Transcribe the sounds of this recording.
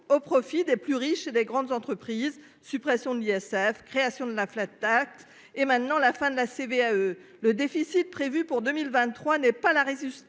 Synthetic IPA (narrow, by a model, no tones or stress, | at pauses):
opχɔfid̪eplyʁiʃed̪eɡʁɑ̃d̪zɑ̃t̪χəpχiːz | sypχɛsjɔ̃d̪əliɛsɛfkχeasjɔ̃d̪əlaflat̪ːak̚t̪ | emɛ̃t̪nɑ̃lafɛ̃d̪əlaseveaø | ləd̪efisit̪̚pχevypuʁd̪əmilvɛ̃t̪ːχwanɛpalaʁezys